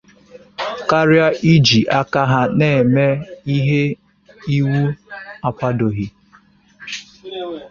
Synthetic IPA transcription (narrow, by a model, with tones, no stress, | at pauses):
ka˦ɾja˦ʔi˦d͡ʒi˨ʔa˦ka˦ɦa˦ne˦˨me˦i˦ɦe˦ | i˦wu˦a˦kʷa˦do˨ɦi˦